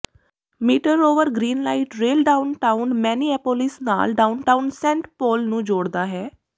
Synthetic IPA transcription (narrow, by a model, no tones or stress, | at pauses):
miːʈəɾoːʋəɾɡɾiːnlaːiʈɾeːlɖaːʊnʈaːʊnmɛːniːɛːpoːlɪsna̰ːlɖaːunʈaːunsɛ̃ːɳʈpoːlnũːd͡ʒoːɽd̪aːɦɛː